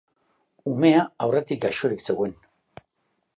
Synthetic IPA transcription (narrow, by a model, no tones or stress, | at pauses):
ume̞aawret̪ikɡaʃoɾikse̞ɣwe̞n